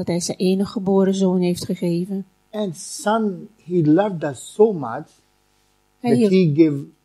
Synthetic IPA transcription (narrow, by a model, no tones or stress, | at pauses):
d̥ɔtɦɛjzɛjʔeːnəχəboːɾəzoːnɦeftχəχeːvən | ɛ̃nsʌ̃nhilʌvdətsoma̰t͡ʃ | hɛæiɡɪv